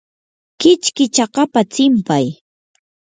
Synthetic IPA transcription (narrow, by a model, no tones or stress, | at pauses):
kɪt͡ʃkɪt͡ʃɑqɑpat͡sɪmpaj